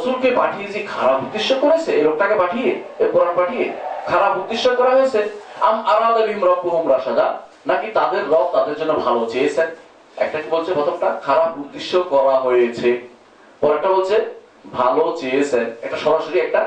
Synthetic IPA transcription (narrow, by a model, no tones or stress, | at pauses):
osulkepaʈʰijed͡ʑikʰaɾabud̪ːiʃːokoɾet͡ɕʰeeɾɔk̚ʈakebaʈʰijeepɔɾanbaʈʰijḛkʰaɾabud̪iʃːokɔɾaɦojet͡ɕʰea̰maɾad̪abimɾɔmpoɦumɾaʃad̪a | nakit̪ad̪eɾːɔk̚t̪ad̪eɾd͡ʑonːobʱalot͡ɕeet͡ɕʰen | ɛ̰k̚ʈakibolt͡ɕʰebɔt̪ʰok̚ʈakʰaɾapud̪iʃːokɔɾaɦojet͡ɕʰe | pɔɾɛkʈabolt͡ɕʰe | bʱalot͡ɕeet͡ɕʰenɛkʈaʃɔɾaʃoɾiɛk̚ʈa